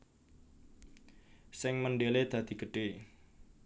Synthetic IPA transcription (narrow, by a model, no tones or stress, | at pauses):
sɪŋmənɖeled̪̥ä̤d̪̥i̤ɡ̥əɖ̥e̤